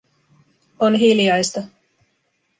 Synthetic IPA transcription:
onɦiljɑjst̪ɑ

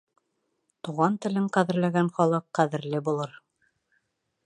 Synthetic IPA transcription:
t̪uʁɑnt̪ɘ̆lɘŋqæðɘ̆ɾlæɡænχɒlˠɤqːæðɘ̆ɾlɘbulˠɤɾ

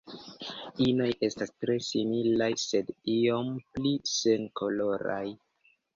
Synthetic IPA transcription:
ino̞je̞stastɾe̞similajse̞dio̞mplise̞nkʰo̞lo̞ɾa̰j

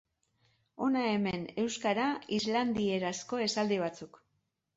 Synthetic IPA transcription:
o̞nae̞me̞ne̞wskaɾaizland̪ie̞ɾasko̞e̞sald̪iβ̞at͡suk

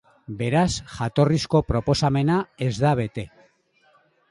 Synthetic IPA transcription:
be̞ɾasʝat̪o̞risko̞pɾo̞po̞same̞nae̞zðaβ̞e̞t̪e̞

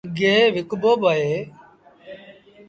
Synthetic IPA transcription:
ɡeːʋɪkboːbaɦeː

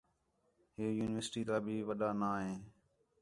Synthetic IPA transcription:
ɦeːjuːnɪʋəɾsʈiːt̪aːbʱiːʋəɗaːnaːɦẽː

